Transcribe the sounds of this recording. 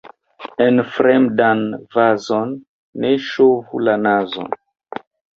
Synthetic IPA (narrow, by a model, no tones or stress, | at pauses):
enfɾemdanvazonː | eʃovṵlanazo̰n